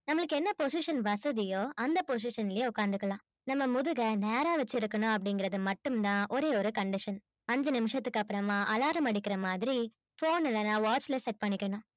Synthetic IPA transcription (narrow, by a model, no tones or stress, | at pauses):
nɐmːɐɭɯkːɯɛnːɐpos̬ɪʂɐnʋɐsɐðɪjoːɐnd̪ɐpos̬ɪʂɐnɪlɪjeːʊkːaːɾnd̪ɯkːɐlãː | nɐmːɐmʊðɯɣɐneːɾaːʋɐt͡ʃːɪɾɯkːɐnõːɐp̬ːɐɽɪŋɡɪɾɐðɯmɐʈːɯmt̪ãːʔɔɾeːɔɾɯkɐɳɖɪʂɐn | ɐɲd͡ʒɐnɪmɯʂɐt̪ːɯkːɐpːɯɾɐmaːʔɐlaːɾɐmɐɽɪkːɪɾɐmaːðɪɾi | foːnɛlːɐnaːʋaːt͡ʃlɐsɛʈ̚pɐɳːɪkːɐɳõː